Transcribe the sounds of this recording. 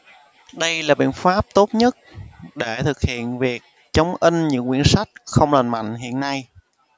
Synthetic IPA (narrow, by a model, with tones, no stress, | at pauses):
ɗə˧jlaː˨˩ɓḭ˧˨ənfaː˦˥p̚t̪o˦˥t̚ɲə˦˥t̚ɗe˧˩t̪ʰɨ˨˩k̚hḭ˧˨ənvi˨˩ək̚ | t͡ɕə˨˦wŋ͡mʔi˧ŋ̟ɲɨ̰˧˥ŋkwi˧˩ənsa˦˥jk̚xə˧wŋ͡mləː˨˩nma̰˧˨jŋ̟ɦḭ˧˨ənːa˧j